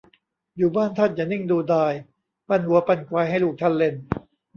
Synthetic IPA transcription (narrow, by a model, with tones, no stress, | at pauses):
juː˨˩baː˥˩nt̪ʰa˥˩n̚jaː˨˩ni˥˩ŋduː˧daː˧j | pa˧˥˩nhu˨˦ɐpa˧˥˩nklaː˧jɦa˥˩jluː˨˩k̚t̪ʰa˥˩nle˧n